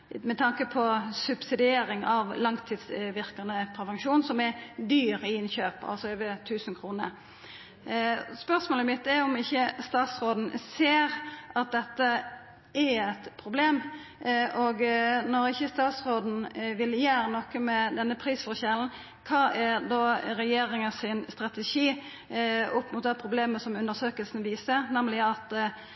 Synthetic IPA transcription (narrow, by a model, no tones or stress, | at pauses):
mɛt̪ʰɑŋkəpʰɔsʉbsɪd̪ɪeːɾɪŋɑʋlɑŋt̪ʰiːd̪sʋɪʁkɑnəpʰɾɛʋɛŋʃuːnsɔmɛd̪yːʁɪɪnçøːpɑ̰lsɔøːʋət̪ʰʉːsn̩kʰʁuːnə̰ | spœʁsmoːləmɪt̪ːɛɔmɪçːəst̪ɑːt̪sʁoːd̪n̩seːɾʔɑt̪̚d̪ɛt̪ːə | ɛɛt̪pʰɾʊbleːm | ʔɔɡnɔɾɪçəst̪ɑːt̪sʁoːd̪n̩ʋɪljæːɾnɔkːəmɛd̪ɛnːəpʰɾiːsfɔʁɕɛln̩ | kʰɑːʔæd̪oːɾɛjeːɾɪŋəsɪnst̪ɾɑt̪ɛʃiː | ʊpmʊt̪̚d̪æɪpʰʁʊbleːməsɔmʉnd̪əsøːkəlsn̩ʋiːsəʁnɛmlɪɑt̪